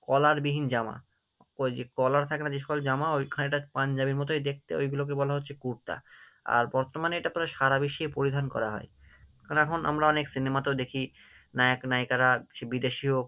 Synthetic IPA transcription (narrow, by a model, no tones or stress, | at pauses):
kɔlaɾbiɦind͡ʑama̰ | od͡ʑekɔlaɾt̪ʰakenad͡ʑeʃɔ̥kold͡ʑamaojkʰaeʈapand͡ʑabiɾmɔt̪̬oed̪ek̚ʰt̪ḛojɡulok̬ebɔlaɦotːɕʰekuɾt̪a̰ | a̰ɾbɔɾt̪omaneeʈat̪ɔɾaʃaɾabiʃːepoɾid̪ʱankɔ̰ɾaɦɔ̰e | knɛkʰona̰mɾaɔneksinemat̪od̪ekʰi | naknajkaɾaʃebid̪eʃiɦok